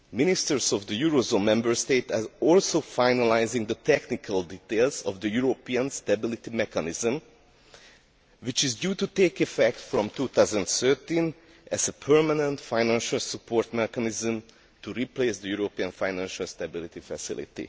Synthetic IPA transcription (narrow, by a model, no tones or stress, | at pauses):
mɪnɪst̪əɹsɔvd̪əjuɹozõːnmɛ̃mbəɹst̪eːt̪azɔlsofajnalajzɪ̃ŋd̪ət̪ɛknɪkʰəld̪it̪elzɔvd̪əjuɹopiə̃nst̪ɛbɪlit̪imɛkanɪzə̃m | wit͡ʃɪzdjuːt̪ut̪eːkɛfɛk̚t̪fɹɔ̃mt̪uːt̪azə̃nd̪sɜt̪ĩn | ʔɛzəpʰɜɹmanə̃nt̪fãɪjnãnʃəlˠsəpʰoɹt̪mɛkanɪzə̃m | t̪uɾipleːsd̪əjuɹopiə̃nfajnæ̃nʃalst̪abɪlit̪ifɛsɪ̰lḭt̪ḭ